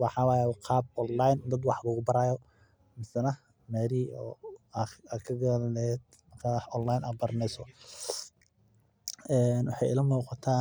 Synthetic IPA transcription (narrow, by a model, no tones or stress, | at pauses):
wɑħɑːwaːjɛqʰɑːb̚ɔnlajnd̪ɐd̪wɑħlʊɣʊbɐɾaːjɔ | mɪsɐnɐ | mɛːɾiːɔ̰ː | aːkʰɐɡɐllɛːd̪̚ | mɐkʰaːɔnlajnaːbɐɾɐnɛjsɔ | ɛːnwɑħɑ̰jɪ̰lɐmuːqɑt̪ʰaː